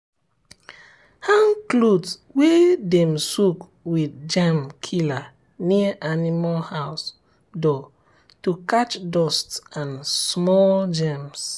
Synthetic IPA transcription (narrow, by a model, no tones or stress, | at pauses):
hãŋklodwedɛ̃msuk | widd͡ʒamkʰila | niəʔanimalhaʊs | dɔ | tukat͡ʃdɔstãnsmɔld͡ʒɛ̃ms